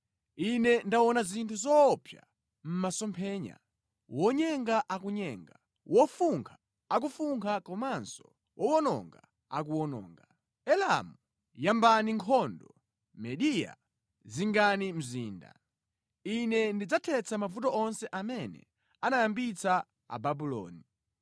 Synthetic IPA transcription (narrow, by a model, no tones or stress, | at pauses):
inɛndawɔnazintʰuzɔpʰja | m̩masɔmpʰɛːɲa̰ | wɔɲɛŋɡaʔakuɲɛŋɡa | wʔɔfuŋkʰḁ | ak̬ufuŋkʰakɔmansɔ̥ | wʔɔwɔnɔ̰ŋɡa | a̰k̬uwɔnɔ̰ːŋɡa | ɛla̰mu | jambaniŋkʰɔndɔ | mɛɗija̰ | ziŋɡanim̩ziːnda̰ | inɛndid͡zatʰɛt͡sʰamavutɔɔnsɛʔamɛnɛ̰ | anajambit͡sa | a̰babulɔ̰ːni